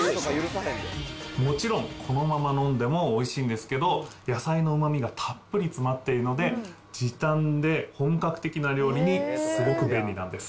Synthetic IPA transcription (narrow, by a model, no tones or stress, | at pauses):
ɾaeemo̞t͡ɕiɾõ̞ŋkʰo̞no̞mamanõnd̪e̞mo̞ːiɕĩːnd̪e̞sɨ̥ke̞d̪o̞jasaino̞ɯ̟mamʲiɡat̪ʰapːɯ̟ɾʲit͡sɨmat̪ːe̞iɾɯ̟no̞d̪e̞ | d͡ʑit̪ãnd̪e̞hõ̞ŋkakɯ̥t̪e̞kʲinaɾʲo̞ːɾʲiɲ̟isɨɡokɯ̟bẽ̞nːʲinã̰nd̪e̞sɨ̥